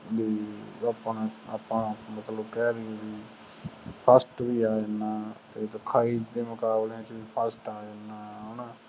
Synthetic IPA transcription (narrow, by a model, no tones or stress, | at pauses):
biːaːpənaːpãːmət̪ləbkɛːɾeːbiː | pʰəsʈbiːaːenːaːt̪eːd̪əkʰaːiːd̪eːmʊkaːbleãt͡ʃbiːpʰəsʈaːenːaːɦoːnaː